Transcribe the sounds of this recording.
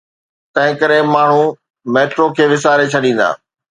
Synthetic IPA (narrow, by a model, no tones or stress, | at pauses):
t̪ɐ̃ɦɪ̃kɐɾemaːɳ̤u | meːʈɾokʰeːʋɪsaːɾet͡ɕʰɐɗĩːnd̪a̰ː